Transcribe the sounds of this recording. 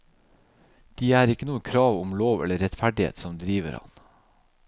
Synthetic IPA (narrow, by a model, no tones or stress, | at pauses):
d̪̥iːæːɾɪkənuːəkʰɾɑːʋʊmloːʋɛ̰ləɾɛt̪fæɖɪhḛːt̪sɔmd̪ɾiːʋə̰ɾhɑ̰n